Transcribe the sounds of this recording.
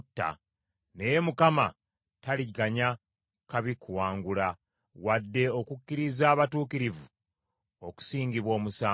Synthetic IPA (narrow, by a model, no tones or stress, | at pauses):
tːa̰ | ne̞jemukama | taliɡaɲa | kaβikuwaːŋɡula | wadːe̞o̞kukːiɾizaːβatuːkiɾivu | o̞ku̥siːŋɡiβwo̞ːmusaː